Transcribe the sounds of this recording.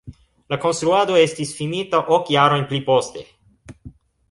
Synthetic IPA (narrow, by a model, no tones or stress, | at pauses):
lako̞nst̪ɾuado̞e̞stisfinitaʔokjaɾo̞jnplipo̞ste̞̰